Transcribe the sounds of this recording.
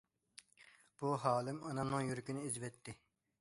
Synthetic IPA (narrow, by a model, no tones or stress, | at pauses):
b̥uɦɑːlˠɪmɑnɑmnɨŋjyɾkʲinɪizvɛt̪ʰːɪ